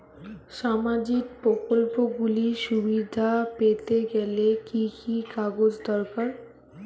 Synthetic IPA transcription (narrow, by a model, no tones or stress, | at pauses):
ʃamad͡ʑik̚pɾokolpoɡuliʃubid̪ʱapet̪eɡɛlekikʰikaɡod͡ʑd̪ɔɾkaɾ